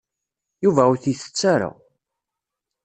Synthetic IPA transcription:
juvæuθiθə̥t͡sːaɾa̰

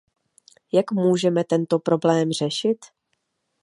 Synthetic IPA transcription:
jakmuːʒɛmɛt̪ɛnt̪o̞pɾo̞blɛːmr̝ɛʃɪt̪

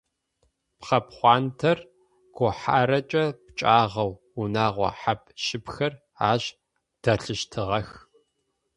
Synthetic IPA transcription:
pχɐpχʷɑːntʰɐr | ɡ̥ʷɔħaːɾɐt͡ʃʼɐpt͡ʃʼaːʁɐw | unaːʁʷɔ̰ħap̚ʰʼʃɪpxɐr | aːɕ | d̥ɐɬɨʃtʰɨʁɐx

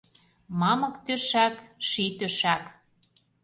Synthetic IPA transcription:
mɑmɤ̆kt̪øʃækʃit̪øʃæk

